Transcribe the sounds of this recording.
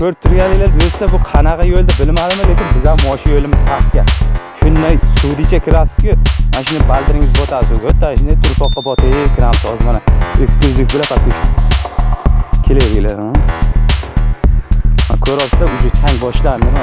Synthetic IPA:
kʲʰɵɾt̪ʰːʊɾɡʲanlɪɡʲlaɾd̪josɪd̪abʊqʰɑnaʁɑjold̪abɪlmad̪ɪmɪle̞kʲɪnbɪzamɒʃɪjolɪmɪz̥hʰaqkʲaʃʊnd̪ajsud̪ɪt͡ʃʰakʲʰɪɾasɪ̥z̥kʲɪmanaʃʊnɪbald̪ɪɾɪŋɪzbɒt̪ʰad̪ɪzʊɡʲot̪ʰːanʃɪnat̪ʰʊɾfɒqːɑbɒt̪ʰekʰʲɪɾamt̪ʰɒzmanaḛksklˠʊzʲifbɪlap̪ʰaskʲʰot͡ʃʰ | kʲʰelejlɪɡʲlaa | a̰kʲʰɵɾɒsɪd̪aʊʃʊt̪ʰaŋbɒʃlanɪm

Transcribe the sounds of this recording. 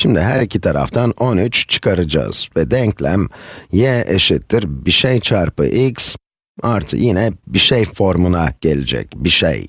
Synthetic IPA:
ʃimd̪iɦæɾicʰit̪ʰaɾa̰ft̪ʰanonyt͡ʃt͡ʃʰɯ̥kʰaɾɯd͡ʒa̰z̥vɛd̪ɛɲclʲæmjɛʔeʃit̪ʰːiɾbiʃejt͡ʃʰaɾpɯ̰ʔiks | aɾt̪ʰɯ̰jinɛbiʃejfo̞ɾmunaɟ̥elʲed͡ʒɛ̰cbiʃḛj

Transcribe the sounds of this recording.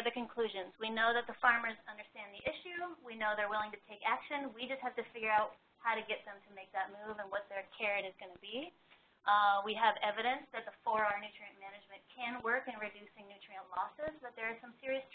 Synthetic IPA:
ðɨkɨ̃nkʰl̥ʉʒɨ̃nzwinoʊðɨt̪̚ðəfɑɹmə˞zʌ̃ndə˞stæ̃nðiʔɪʃʉwinoʊðə˞wɪlˠɪ̃ŋtɨtʰeɪkækʃɨ̃nwid͡ʒʌst̚hæftɨfɪɡjə˞aʊt̚ | haʊɾɨɡɛt̪̚ðɨ̃mtʰɨmeɪk̚ðɨt̚muvə̃nwʌt̪̚ðə˞kʰɛɹɾɨzɡʌnɨbi | wiəvɛvɨɾɨ̃nsðɨt̪̚ðəfɔɹa˞nʉt͡ʃɹ̥iɨ̃nmænɨd͡ʒmɨ̃nkʰɨ̃nwɜ˞kɨ̃nɹɨdʉsɪ̃ŋnʉt͡ʃɹ̥iɨ̃nlɔsɪzbʌt̪̚ðə˞ɨzsʌ̃msɪɹiɨs

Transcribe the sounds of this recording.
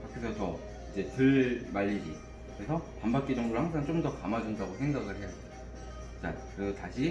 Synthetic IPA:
pakʰesʰʌt͡ɕʌ | id͡ʑe̞tɯɭmaʎːid͡ʑi | kɯɾesʰʌpambak̚k͈id͡ʑʌŋdoɾɯɭhaŋsʰaŋt͡ɕ͈omdʌkamad͡ʑundaɡosʰe̞ŋɡaɡɯɭhe̞jaea | t͡ɕa̰kɯtaɕʰi

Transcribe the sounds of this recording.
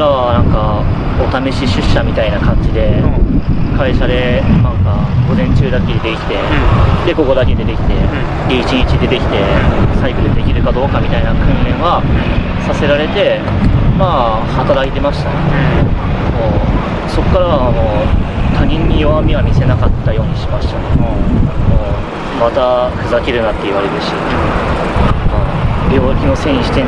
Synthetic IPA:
ɾaβanãŋka | o̞t̪ame̞ɕiɕɨɕːamʲit̪ainakãɲ̟d͡ʑid̪e̞ | kaiɕad̪e̞nãŋkaɡo̞zẽ̞ɲt͡ɕɨːd̪aked̪e̞kʲi̥t̪e̞d̪e̞ko̞ko̞d̪ake̞d̪e̞t̪e̞kʲi̥t̪e̞ | d̪eit͡ɕiɲ̟it͡ɕid̪e̞t̪e̞kʲi̥t̪e̞saikɯɯd̪e̞kʲiɾɯ̟kad̪o̞ːkamʲit̪ainakɯ̟̃nlẽ̞ɰ̃βa | sase̞ɾaɾe̞t̪e̞ | maː | hat̪aɾait̪e̞maɕi̥t̪ane | moː | so̞kːaɾanoːt̪ʰaɲ̟ĩɲ̟ːijo̞βamʲiβamʲise̞nakat̪ːajo̞ːɲ̟iɕimaɕi̥t̪anː | mo | mat̪aɸɯ̟zakʲiɾɯ̟nat̪ːe̞ɯ̟βaɾʲid̪ɯɕi | mabʲjo̞ːkʲino̞sẽ̞ĩɕi̥t̪e̞

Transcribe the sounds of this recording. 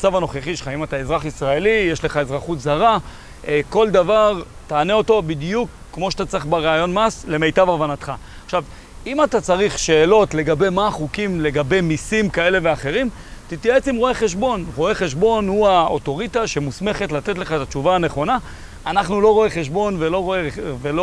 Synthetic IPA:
at͡savano̞χeχiʃe̥χaimat̪aezʁaχisʁae̞lijeʃle̞χae̞zʁaχutzaʁa | ko̞ld̪avaʁ | taːneo̞to̞bidjukːmo̞ʃat̪at͡saʁeχbeʁeajo̞nmasle̞me̞jtavavanat̪χa | aχʃav | imat̪at͡saʁiχʃe̞ːlo̞tle̞ɡabe̞jmaχukimle̞ɡabe̞jmisimkae̞le̞veaχe̞ʁim | t̪itjae̞t͡simʁo̞eχe̞ʃbo̞nʁo̞e̞χe̞ʃbo̞nhuaoto̞ʁit̪aʃe̞musme̞χetlat̪e̞tleχaet̪at͡ʃuvaːne̞χo̞na | anaχnulo̞ʁo̞eχeʃ̬bo̞nvelo̞ʁoevelo

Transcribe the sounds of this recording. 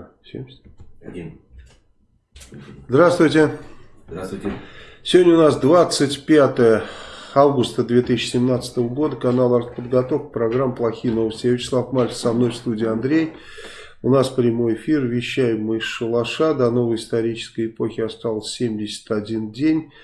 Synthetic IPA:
sʲemʲ | zd̪ɾast̪vʊjtʲɪ | sʲɪvodʲnʲʊnasd̪vat̪sɨtʲpʲat̪əjəavɡʊst̪əd̪vʲe̞t̪is̬ʲɪːt͡ɕːɪsʲɪmnat̪sə̥t̪əvəɡo̞d̪əkɐnalˠɐɾt̪pəd̪ɡɐt̪o̞fkpɾɐɡɾamːplˠɐxʲijəno̞vəsʲtʲɪjavʲɪt͡ɕɪ̥slˠafmalʲtsɐmno̞jfst̪udʲɪjɐnd̪ɾʲej | ʊnasfpɾʲɪmo̞jɪfʲirvʲɪɕːæjɪmːɨɪsʂəlˠɐʂad̪ɐno̞vəjɪst̪ɐɾʲit͡ɕɪ̥skəjɪpo̞xʲɪɐst̪alˠəsʲsʲemʲdʲɪsʲə̥t̪ɐdʲindʲenʲ

